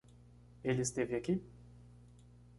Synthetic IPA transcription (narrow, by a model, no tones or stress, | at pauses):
elɪɪst̪evɪaki